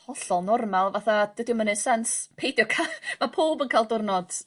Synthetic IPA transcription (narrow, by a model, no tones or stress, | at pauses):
hɔɬɔlˠnɔrmalˠvaθad̥ədɪmənɨsanspʰejdjɔkʰamapʰuːlˠbənkʰajlˠdʊrnɔd̥